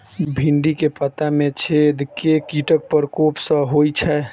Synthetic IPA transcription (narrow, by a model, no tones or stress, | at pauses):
bʱiɳɖikepət̪amet͡ʃʰed̪kekiʈək̚pəɾkopsə̃ɦojt͡ʃʰɛ